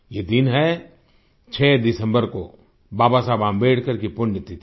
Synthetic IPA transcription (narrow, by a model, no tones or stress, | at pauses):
jeːd̪ɪnɦɛ | t͡ʃʰɛːd̪ɪsə̃mbəɾko | baːbasaːbãːmbeːɽkəɾkipʊɳːɪt̪it̪ʰi